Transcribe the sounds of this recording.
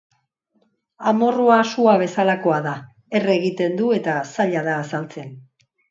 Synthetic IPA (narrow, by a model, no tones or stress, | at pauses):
amo̞ruasuaβ̞e̞salako̞aða | e̞re̞ɣit̪e̞nd̪ue̞t̪asaʎaðaːsalt͡se̞n